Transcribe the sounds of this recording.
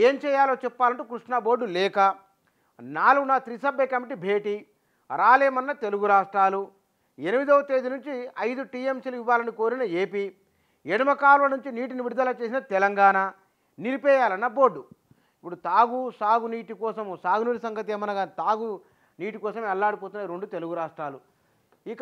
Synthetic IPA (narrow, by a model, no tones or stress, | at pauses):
eːmt͡ʃɛːjaːloːt͡ʃɛpːaːlɐɳʈukɾuʂɳɐbo̞ːɖːulɛːkɐ | naːluɡunaːt̪ɾisɐbɐkɐmiʈibʱe̞ːʈiː | ɾaːleːmɐnːɐt̪e̞luɡuɾaːʂʈɾaːlu | enimid̪ɔːɐt̪eːd̪inuɲt͡ʃiɐjd̪uʈiːemsiluiʋːaːlɐniko̞ːɾinɐeːpiː | eɽimɐkaːɾulɐnuɲt͡ʃiniːʈ̬iniʋiɽd̪ɐːlɐt͡ʃeːs̬inɐt̪ɛlɐŋɡaːna | niɾipɛːjaːlɐnːɐbo̞ːɖːu | ipːuɽut̪aːɡusaːɡuniːʈikɔːsɐmsaːɡunuːnisɐŋɡɐt̪eːmɐnɐɡaːnt̪aːɡu | niːʈikɔːsɐmɛlːaːɽip̬oːt̪unːaːiɾeɳɖut̪e̞luɡuɾaːʂʈɾaːlu | ik